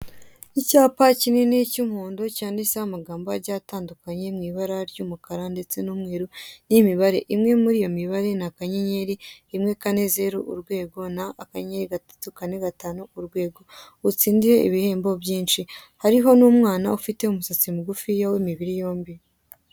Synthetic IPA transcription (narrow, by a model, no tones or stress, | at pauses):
icaːpacinenicumhuːndocaːndisahamaɡaːmboaɾɟaːtaːndukaɲe̞mŋiːβaɾaɾɟumukaɾande̞t͡se̞numŋeːɾunimiβaɾe̞̰ʔimŋe̞muɾijo̞miβaɾe̞nakaɲeɲe̞ɾiːmŋe̞kane̞ze̞ɾuʔṵɾɡwe̞ːɡo̞naːkaɲeɾiɡatḁtukane̞ɡataːnuuɾɡwe̞ːɡo̞ | ut͡siːndiɾe̞ḭβihe̞ːmbo̞bjiːnʃihaɾiɦo̞nuːmŋaːnaufite̞umusat͡simuɡufijawimiβiɾijo̞ːmbi